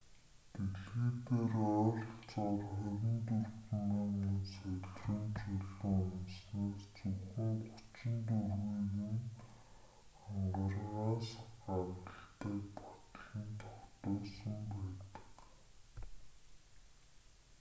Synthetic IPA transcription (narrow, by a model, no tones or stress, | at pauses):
t̪eɮeːt̪eːrɔɮt͡sɔrχʊɾʲɪ̆nt̪urt̆ŋaminsɵɮrɵ̆nt͡ɕɵɮɵŋʊnsniːkt͡suxɘ̆ŋɢʊt͡ɕɪ̆nt̪urɣiːɣɘ̆n | aɴɢə̆rʁaːsɢawt̪ə̆ɬt̪ʰæːkpɔ̥t̪ɮiːnt̪ʰɔxt̪ʊːsə̆mpæːt̪ə̥̆k